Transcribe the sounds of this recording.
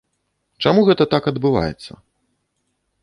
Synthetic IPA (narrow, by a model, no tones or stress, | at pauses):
t͡ʂamuɣɛt̪ɐt̪akɐd̪bɨva̰jɛ̰t̪sːɐ̰